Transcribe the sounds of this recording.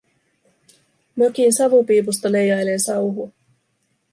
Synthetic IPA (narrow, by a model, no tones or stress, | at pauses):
møkinsɑʋupiːpust̪ɑle̞jɑjlensɑwɦu